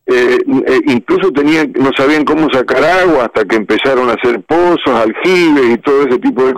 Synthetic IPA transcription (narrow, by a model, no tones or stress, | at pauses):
eeʔiŋklus̬o̞t̪e̞niaŋno̞saβiaŋko̞mo̞sakaɾaɣwaːht̪akeːmpe̞saɾo̞naseɾpososalxiβesit̪o̞ðoes̬e̞t̪ipoðek